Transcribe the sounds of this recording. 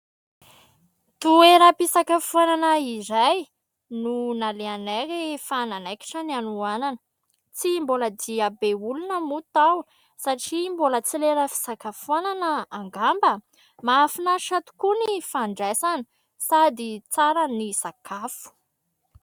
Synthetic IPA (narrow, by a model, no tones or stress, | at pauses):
t̪ueɾapisakafuananəizaj | nunaleaneɾifananajki̥ʈ͡ʂənianuananə | t͡simboləd̪iabeulunəmut̪aw | saʈ͡ʂimbolət͡sileɾəfi̥sakafuananəaŋɡambə | maːfinaʃat̪u̥kunifaɳɖ͡ʐesanə | sad̪it͡saɾənisakafu̥